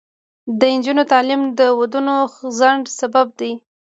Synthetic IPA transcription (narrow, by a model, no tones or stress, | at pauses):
d̪əɪnd͡ʒunot̪ɑlimd̪əwad̪unozaɳɖsabab̚d̪aj